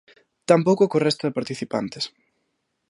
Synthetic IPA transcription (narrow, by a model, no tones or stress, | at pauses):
t̪ampowkʊkorɛst̪aðɪpaɾt̪iθipa̰nt̪ɪs